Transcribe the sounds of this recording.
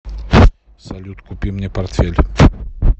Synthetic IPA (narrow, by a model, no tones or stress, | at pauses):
sɐlʲut̪kupʲimnʲɛpart̪fʲelʲ